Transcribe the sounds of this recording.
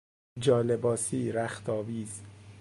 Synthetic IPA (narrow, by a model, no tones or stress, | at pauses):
d͡ʒɒːlebɒːsiːɾæxt̪ʰɒːviːz